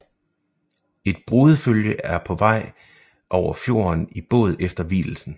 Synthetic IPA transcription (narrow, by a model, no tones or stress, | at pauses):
e̝d̥̚b̥ʁuːð̞ˠəføljəæɐpʰɒ̽ʋɑ̈ɪ̰ | ʔɒʊ̰ɐfjo̝̰ːɐnib̥ɔ̰̽ːð̞̩ˠefd̥ɐʋḭːl̩sn̩